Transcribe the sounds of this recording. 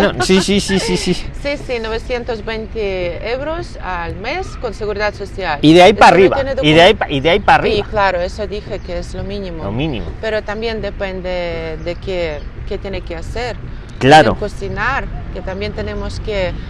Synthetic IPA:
nosisisisisisisinoβesjent̪ozbent̪eewɾosalmeskonseɣuɾiðat̪sosjaliðeaipariβajeneðiðeaipaʔiðeaipariβaklaɾoesod̪ixekeezlomĩnĩmolomĩnḭmo̰peɾot̪ambjend̪epend̪ed̪ekeket̪jenekeaseɾ | klaɾo̰kosinaɾket̪ambjent̪enemoske

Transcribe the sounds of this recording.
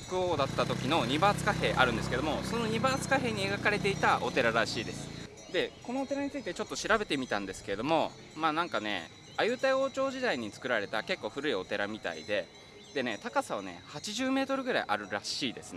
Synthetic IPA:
kɯ̟oːd̪at̪ːat̪o̞kʲino̞ɲ̟ibaːt͡sɨ̥kaɦe̞ːʔa̰ɾɯ̟̃nd̪e̞sɨ̥ked̪omo̞so̞no̞ɲ̟ibaːt͡sɨ̥kaɦe̞ːɲ̟ie̞ɡakaɾe̞t̪e̞it̪aʔo̞t̪e̞ɾaɾaɕiːd̪e̞sɨ̥ | d̪e̞ko̞no̞ːt̪e̞ɾaɲ̟it͡sɨit̪et͡ɕo̞t̪ːo̞ɕiɾabe̞t̪e̞mʲit̪ãnd̪esɨ̥ke̞ɾe̞d̪o̞mo̞ | maːnãŋkane̞̰ | ajɯ̟t̪aio̞ːt͡ɕo̞ːʑid̪aiɲ̟it͡sɨ̥kɯ̟ɾaɾe̞t̪ake̞kːo̞ːɸɯ̟ɾɯ̟io̞t̪e̞ɾamʲit̪a̰ḭd̪e̞ | d̪̥e̞ne̞t̪akasaβ̞ane̞̰hat͡ɕiʑɨːme̞ːt̪o̞ɾɯ̟ɡɯ̟ɾaiʔa̰ɾɯ̟ɾaɕiːd̪e̞sɨn

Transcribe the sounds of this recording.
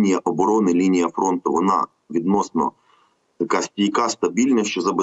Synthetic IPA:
nʲijɐʔɔbɔɾɔnɪlʲinʲijɐfɾɔnt̪ʊʋɔnɑ̰ | ʋʲid̪nɔsnɔ̰ | j̪ɐkɑsʲtʲijkɑst̪ɐbʲilʲnɐʃt͡ʃɔzɐbɪ

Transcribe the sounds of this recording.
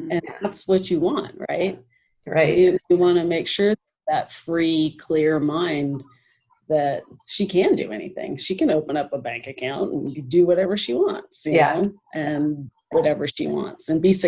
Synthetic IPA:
ɨ̃nðætswʌt͡ʃɨwɑ̃nt̚ɹa̰ɪt̚ | ɹaɪɨjɨwɑ̃nɨmeɪkʃʊɹðɨðətfɹikʰl̥ɪɹmãɪ̃n | ðɨt̚ʃikʰæ̃ndɨ̰ɛ̰nḭθɪ̰̃ŋʃikɨ̃noʊpə̃nʌpəbæ̃ŋkɨkʰãʊ̃ntn̩dɨwʌɾɛvə˞ʃiwɑ̰̃ntsjɨnoʊʔɨ̃n | wʌɾɛvə˞ʃḭwɑ̰̃ntsɨ̃nbisɨ

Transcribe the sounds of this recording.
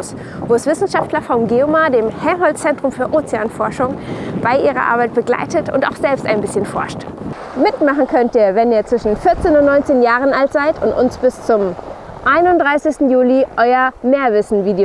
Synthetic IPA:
s | voːɛsv̥ɪsn̩ʃaftʰlɐfɔʊmɡeomadeːmhɛɐnɦɔlt͡sɛntʁ̥ʊmfyːɐʔoːt͡seaːnfɔɐʃʊŋb̥aɪʔiːʁɐ̰ʔa̰ɐbaɪt̚b̥əɡla̰ɪtətʊ̰nta̰ʊxz̥ɛlpsta̰ɪnbɪsçənfɔ̰ɐʃt | mɪtmaχn̩kʰœntiːɐvɛniːɐt͡sv̥ɪʃn̩fɪɐt͡seːnʊntnɔʏnt͡seːnjaːʁənʔaltz̥aɪtʊ̰ntʊ̰nsb̥ɪst͡sʊm | ʔaɪnʊntdʁaɪsɪçstn̩juːliʔɔʏɐmeːɐvɪsn̩viːde

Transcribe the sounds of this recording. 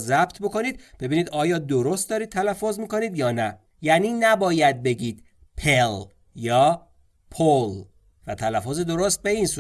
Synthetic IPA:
zæb̚t̪ʰboko̞niːd̪̥̚b̥e̞biːniːd̪ɒːjɒːd̪oɾost̪̚d̪ɒːɾiːd̪̚t̪ʰælæfːozmiːko̞niːd̪jɒːnæ | jæniːnæbɒːjæd̪̚be̞ɟiːd̪̥ | pʰel | jɒː | pʰol | væt̪ʰælæfːozed̪o̞ɾost̪̚be̞iːnsu

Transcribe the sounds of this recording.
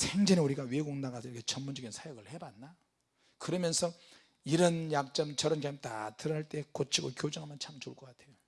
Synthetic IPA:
sʰeŋd͡ʑeneuɾiɡaweɡoŋnaɡasʰʌiɾʌkʰet͡ɕʌnmːund͡ʑʌɡinsʰajoɡɯɭhebatna | kɯɾʌmjʌnsʰʌ | iɾʌnjak̚t͡ɕ͈ʌmt͡ɕʌɾʌnkemta̰tɯɾʌnɦaɭt͈e̞kot͡ɕʰiɡokjod͡ʑʌŋɦamjʌnt͡ɕʰamt͡ɕoɭk͈ʌk͈atʰe̞jo

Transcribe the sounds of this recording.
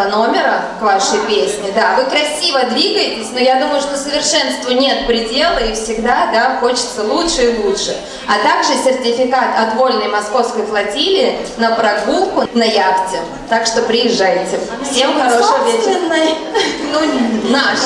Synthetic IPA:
no̞mʲɪɾəkvaʂəjpʲesʲnʲɪd̪avɨkɾɐsʲivəd̪vʲiɡəjɪtʲɪsʲnʊjad̪uməjʊʂt̪osəvʲɪrʂɛnst̪vənʲe̞t̪̚pɾʲɪdʲe̞lˠəifsʲɪɡd̪ad̪axo̞t͡ɕɪ̥t̪səlˠutʂɨɪlˠutʂɨ | ɐt̪aɡʐɨsʲɪrtʲɪfʲɪkat̪ɐt̪vo̞lʲnəjmɐsko̞fskəjplˠɐtʲilʲɪɪnəpɾɐɡulˠkʊnɐjaktʲɪ | t̪akʂt̪o̞pɾʲɪjɪʐːajɪtʲɪfsʲemxɐɾoʂvʲeɪnːəjnuna

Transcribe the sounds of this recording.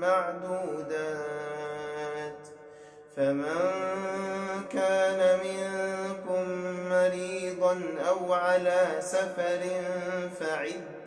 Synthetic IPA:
maʕd̪uːd̪aː | t̪ | famaŋ | kaːnamɪŋkʊmːaɾiːd̪ˤɑnʔawʕalaːsafɑɾɪnfaʕɪd̪ː

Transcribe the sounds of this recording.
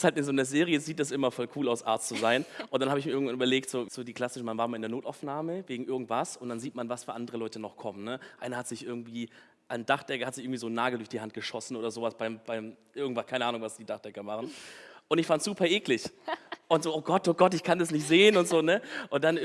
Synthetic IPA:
shaltɪnzoːnəzeːʁiəz̥iːt̚d̥as̬ʔɪmɐfɔlkʰuːlaʊsʔa̰ɐtstt͡suzaɪnʔʊntd̥anhaːbɪçmiːɪɡŋ̩vanyːbɐleːk̚tz̥oːz̥oːdiːkl̥asɪʃn̩manvaːɐmalɪndeɐnoːta̰ʊfnaːməveːɡŋ̩ʔɪɐɡŋ̩tv̥asʊntd̥anziːtmanvasfyːɐʔandəʁəlɔʏtənɔχkʰɔmənnəʔaɪnɐhatz̥ɪçʔɪɐɡŋ̩tv̥iː | ʔand̥aχd̥ɛkɐhatzɪçʔɪɡŋ̩tviːzoːnaːɡl̩dʊɐçd̥iːhant̚ɡ̥əʃɔsn̩ʔoːdɐzoːvasb̥aɪmb̥aɪmʔɪɐɡŋtv̥askʰaɪnəʔaːnʊŋvasd̥iːdaχd̥ɛkɐmaχn̩ʔʊntɪçfantz̥uːpʰɐʔeːklɪçʔʊntz̥oːʔoːɡɔtoːɡɔtɪçkʰandasnɪçtz̥eːənʊntz̥oːnəʔʊntd̥an

